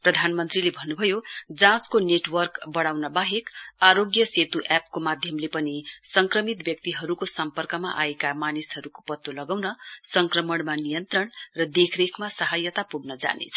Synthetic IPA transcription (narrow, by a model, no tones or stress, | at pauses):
prʌd̪ʱanmʌnt̪rilebʱʌnːubʱʌjod͡zãskoneʈwʌrkbʌɽawnʌbaɦekaɾoɡjʌset̪uʔap̚komad̪ʱjʌmlepʌnisʌŋkrʌmit̪bjʌk̚t̪iɦʌɾukosʌmpʌrkʌmaʔaekamanisɦʌɾuko̥pʌt̪ːolʌɡawnʌsʌŋkrʌmʌɽmanijʌnt̪rʌɳrʌd̪ekʰrekʰmasʌɦajʌt̪apuɡnʌd͡za̰nḛt͡sʰʌ̥